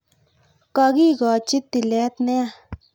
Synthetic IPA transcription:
ka˧ɡi˦ɡɔ˨t͡ʃi˦t̪i˨lɛ˨˦t̪nɛ˦a˧˨

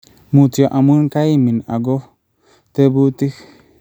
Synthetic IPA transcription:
mu˨tjo˨ʔa˨mu˦nka˦i˦mi˨na̰˨ɡɔ˦ | t̪e˦bu˦t̪i˦k

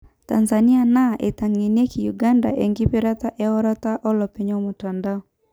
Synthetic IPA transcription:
ta̰˨nza˨ni˦a˨na˦ʔe˨ta˨ŋe˨ne˦ki˨ju˨ɡa˦nda̰˨ʔe˨ŋɡi˦pe˦ɾa˦ta˦ʔɛ˦ɔ˦ɾa˦ta˦ʔɔ˦lɔ˨pe˨ɲɔ˦mo˨ta˨nda˦ɔ

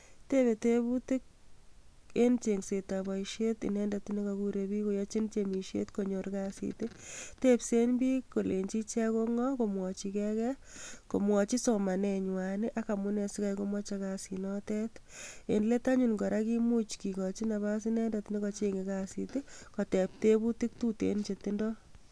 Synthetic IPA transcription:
te˦be˨tebu˦ti˦k̚ | e˦nt͡ʃe˨ŋse˨ta˨bɔ˨iʃe˦tḭ˨nɛ˦ndati˦ne˦kɔkuɾebi˦ko˦jɔ˦t͡ʃe˦nt͡ʃemi˨ʃḛ˦tko˨ɲo˨ɾkasḭte˦tepse˦nbi˦ko˨le˨ɲt͡ʃi˦t͡ʃɛ˦ko˦ŋɔ˦ko˨mwɔ˨t͡ʃikɛkɛ˦ko˨mwɔ˨t͡ʃi˦soma˨nɛɲwa˨ni˦ʔa˦ka˨mu˦ne˨sika˨jko˦mɔ˦t͡ʃa˧kasinɔtɛ˦tḛ˨nle˦ta˦ɲu˨nɡɔ˨ɾaki˦mu˦t͡ʃki˨kɔt͡ʃi˦na˨ba˦s̬inɛ˦ndati˦ne˦kɔt͡ʃeŋe˨ka˨sḭtekotep̚te˦bu˦ti˦k̚tu˦tḛnt͡ʃe˨ti˦ndɔ

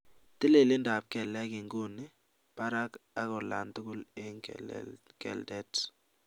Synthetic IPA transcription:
t̪ɪ˦le˨lɪ˦nda˨p̚kɛ˨la˦kɪ˨ŋɡo˦nɪ˨˦ | pa˦ɾa˦ka˦kɔ˨la̰˨nd̪kʊ˦le˦ŋ | kɛ̰˨ldɛ˦t

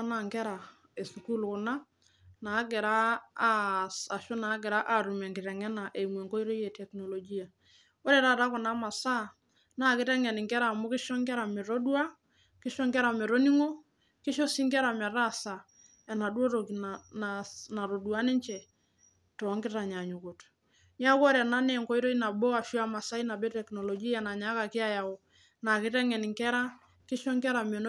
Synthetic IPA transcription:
a˦na˨ŋɡɛ˦ɾa˨ | e˨su˨ku˦˨lkʊ˨na˦ | na˨˦ɡɛ˨ɾa˦ | a˨ʃʊ˦na˨˦ɡɛ˨ɾa˦ʔa˦˨ɾu˨mɛ˨ŋɡɪ˨ɾɛ˨ŋɛ˦na˨ʔe˨mwe˨ŋko˦i˦ɾo˦je˨tɛ˨kno˨lo˨ɡi˦a˨ | ɔ˦ɾe˨ɾa˦˨ɾa˦kʊ˨na˦ma˨sa˦˨ | na˦kɪ˦tɛ˦ŋɛ˨nɪ˨ŋɡɛ˦ɾa˨mʊ˦kɪ˦ʃɔ˦ŋɡɛ˦ɾa˨mɛ˨ɾo˦dwa˦ | kɪ˦ʃɔ˦ŋɡɛ˦ɾa˨mɛ˨ɾo˦ni˦ŋo˦ | kɪ˦ʃɔ˦si˦ŋkɛ˦ɾa˨m˨ɛ˨ra˦˨sa˨ | ɛ˨na˨dwo˦to˨ki˨nna˨na˨ɾo˨du˨a˦nɪ˦ɲt͡ʃɛ˨ | tɔ˨˦ŋkɪ˦ta˨ɲa˨ɲʊ˨ko˨t | ɲ˦a˦kɔ˦ɾa˨na˦nɛ˨ŋkɔ˦i˦ɾo˦i˦na˨bɔ˦a˨fi˦a˨ma˨sa˦i˦na˨bɛ˦tɛ˨knɔ˨lɔ˨ɡi˦a˨na˨ɲa˨˦ka˨kɪ˦a˦ja˨o˨ | na˨kɪ˦tɛ˦ŋɛ˨n˨ŋkɛ˦ɾa˦ | kɪ˦ʃɔ˦ŋkɛ˦ɾa˨me˨n˦

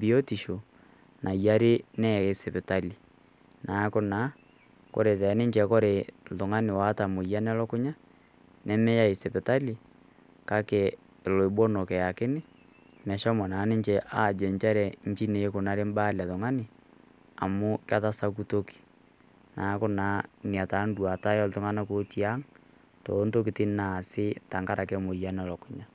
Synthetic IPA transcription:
bi˨ɔ˦ti˨ʃo˨ | nʔa˨ja˦ɾe˦nɛ˦˨ɣe˨sɛ˨pe˨ta˦li˨ | nʔa˨˦ko˦na˨˦ | ko̰˨ɾe˨tɛ˨ne˦ɲd͡ʒɛ˨ko˦ɾe˨ðo˨ŋa˦ne˨wa˨˦ta˨mo˨ja˦nɛ˦lɔ˦ko˦ɲa˦ | nɛ˦mɛ˦ja˦e˨sɛ˨pe˨ta˦li˨ | ka˦kɛ˨ | lo˨e˨bwɔ˦nɔ˨kɛ˨ja˨ke˦ne˦ | mɛ˨ʃɔ˦mɔ˨na˨˦nɪ˦ɲt͡ʃɛ˦ʔa˦˨d͡ʒɛ˨nt͡ʃa˦ɾɛ˨ɲ̩˦t͡ʃi˦ne˨˦kʊ˨na˦ɾe˦m˦ba˦˨la˨ðʊ˨ŋa˦nɪ˨ | a̰˨mʊ˦ka˦ta˦sa˦ku˦to˦ki̥˨ | na˨˦kʊ˦na˨˦ni˨a˨ta˨˦n˦dwa˨ta˦jɔ˦l̩tʊ˦ŋa˦na˦ko˦ti˦a˦ŋ | to˨˦nto˦k̬i˨tɪ˦na˨sɪ˦ta˨ŋɡa˦ɾʔa˨kɛ˦mo˨ja˦n˦ɔ˨lɔ˨kʊ˨ɲa˦

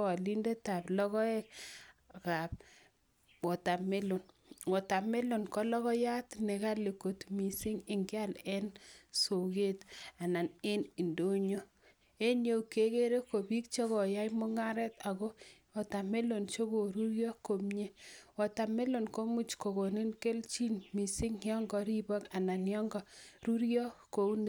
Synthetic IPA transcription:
a˨li˦nde˦ta˨plɔ˦ɣɔ˦ɛ˦k̚ | ka˨p̚ | wɔ˨ta˨me˦lo˨nwɔ˨ta˨me˦lo˨nkɔ˦lɔ˦ɣɔ˦ja˦tne˨ɣa˦le˨ko˨tmi˨si˦ŋɪ˨ŋɡɪ˦a˦˨lɛ˦nso˨ɡe˦ta˨na˨ne˦ni˨ndo˦ɲo˦ | e˦njo˦u˨ke˦ke˦ɾe˦ko˨bi˦kt͡ʃɔ˦ɣɔ˨ja˦imo˦ŋa˦ɾɛ˦ta˨ɣo˦ | ɔ˨ta˨me˦lo˨nt͡ʃo˦ɡo˨ɾu˦ɾjɔ˦ko˨mɲe˦wɔ˨ta˨me˦lo˨nko˦mu˦t͡ʃko˨ɣo˨ni˦nke˦lt͡ʃi˦nmi˨sɪ˦ŋjɔ˦ŋɡɔ˨ɾi˦bɔ˦ka˨na˨njɔ˦ŋɡɔ˨ɾu˦ɾjɔ˦ko˦u˦n

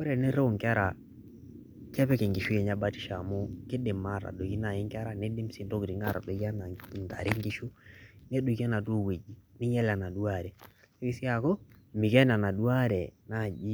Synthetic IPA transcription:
ko˦ɾɛ˨ne˦ɾe˦˨ŋka˦ɾa˨ | kɛ˦pɛ˦ke˨ŋɡi˨ʃu˦jɛ˨ɲa˦ba˦ti̥˦ʃa˨mo˦kɪ˦dɪ˨ma˦˨ɾa̰˨do˨ki˦na˨ji˦ŋka˦ɾa˦˨ne˦dɪ˦msi˨nto˦kɾi˨ŋa˦˨ɾa̰˨do˨ka˦n˨n˨ta̰˨ɾi˦ŋɡi˦ʃu˦ne˦do˨ki˦a˦na˨to˦˨we˨d͡ʒi˨nɪ˦ɲɛ˦la˨na˨du˦a˦˨ɾɛ˨ | so˦ki˦si˦a˨ko˦mɪ˨kɛ˦n˨a˨na˨du˦a˦ɾɛ˨na˦˨d͡ʒi˦

